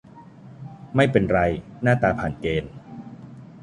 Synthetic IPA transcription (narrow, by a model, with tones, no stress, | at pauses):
ma˥˩jpe˧nɾa˧jnaː˥˩t̪aː˧pʰaː˨˩nkeː˧n